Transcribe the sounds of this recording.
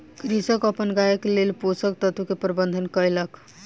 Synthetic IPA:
kɾisəkəpənɡajəkelelposək̚t̪ət̪ukepɾəbənd̪ʱənkəjlək

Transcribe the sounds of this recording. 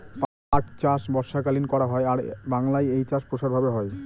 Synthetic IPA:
p | aʈt͡ɕaʃbɔɾʃakalinkɔɾaɦɔeaɾbaŋlajejt͡ɕaʃpɾoʃaɾbʱabeɦɔe

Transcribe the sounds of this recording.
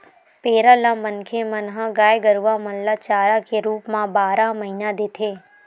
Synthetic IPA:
peːɾalamənkʰemənɦəɡaːjɡəɾʋamənlat͡ʃaːɾakeɾuːpmãbaːɾaməɦinad̪et̪ʰeː

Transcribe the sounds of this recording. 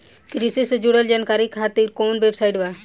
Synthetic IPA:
kɾisisd͡ʒuɽəld͡ʒaːnkaːɾikʰat̪iɾkoːnʋebsajʈʋa

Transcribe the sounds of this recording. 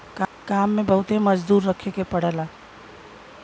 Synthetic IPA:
kkamːebəɦut̪eməd͡ʒd̪uɾːəkʰekepəɽela

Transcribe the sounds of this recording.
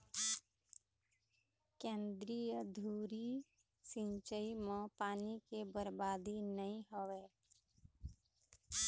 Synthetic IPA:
kẽːnd̪ɾijəd̪ʱuːɾi | sɪ̃nt͡ʃəimẽpaːnikebəɾbaːd̪inəĩɦoʋe

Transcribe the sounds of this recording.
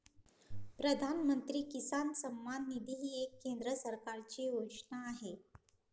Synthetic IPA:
pɾəd̪ʱanmənt̪ɾiːkisansəmːanːid̪ʱiɦiːekːend̪ɾəsəɾkaɾt͡ɕiːoʂɳaːɦe

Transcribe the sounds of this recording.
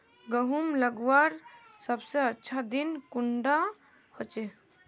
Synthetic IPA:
ɡəɦumləɡwaɾsəbseətːʃʰad̪inkuɳɖa | hot͡ʃe

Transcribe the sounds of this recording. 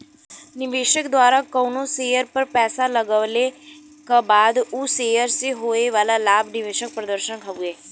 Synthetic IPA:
nɪʋeːʃəkd̪waːɾakɐːnoseːjəɾpɐɾpɛːsalɐɡəʋle | kabaːd̪useːjəɾseɦoːeʋaːlalaːbnɪʋeːʃək̚pɾəd̪əɾʃənkʰɐʋueː

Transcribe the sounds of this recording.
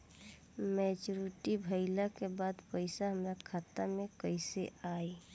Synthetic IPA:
mɛt͡ʃuɾiʈibʱəɪlakebad̪pəɪsaɦəmɾakʰaːt̪amẽkəɪseʔaːi

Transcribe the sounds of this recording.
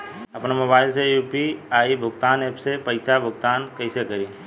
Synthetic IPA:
ɐpnamobaːɪlsejuːpiaːibʱʊɡt̪aːneːpsepɐɪsabʱʊɡt̪aːnkɐɪsekɐɾiː

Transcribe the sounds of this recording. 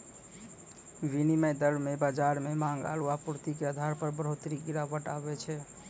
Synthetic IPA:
ʋiniməjd̪əɾbmebad͡ʒaɾmemãŋɡa̰luapuɾt̪ikeəd̪ʱaɾpəɾbəɾ̤ot̪ɾiɡiɾabəʈabɛt͡ʃʰɛ

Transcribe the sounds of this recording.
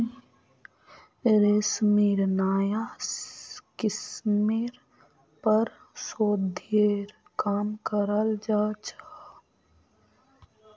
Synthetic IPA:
ɾesmiɾnaːja | kɪsmiɾ | pəɾ | soːd̪ʱeɾ | kaːmkəɾəld͡ʒaːt͡ʃa

